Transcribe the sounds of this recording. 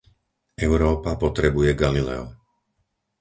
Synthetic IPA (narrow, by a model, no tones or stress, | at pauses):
ʔɛʊɾɔːpapɔt̪ɾɛbujɛɡalilɛ̰ɔ̰